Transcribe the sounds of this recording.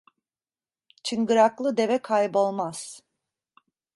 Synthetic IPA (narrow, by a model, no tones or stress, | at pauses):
t͡ʃʰɯŋɡɯɾaklˠɯd̪e̞vɛkʰajbo̞lˠmaz̥